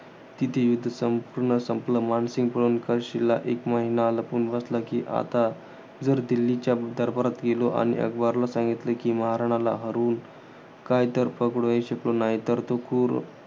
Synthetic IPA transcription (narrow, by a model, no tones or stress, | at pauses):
t̪it̪ʰejud̪ʱːəsəmpuɾɳəsəmpləmansiŋɡ̚pəɭuːnkəɕilaʔekməɦinaːləpuɳʋəslakiʔa̰t̪a | d͡zəɾd̪ilːit͡ɕjad̪əɾbəɾat̪ɡeloʔa̰ɽ̃ḭʔə̰ɡbaɾlasãŋɡit̪ləkiməɦaɾaɽ̃ala̰ɦəɾuːn | kajt̪əɾpəkɽʋaiɕəklonaɦit̪əɾt̪okuːɾ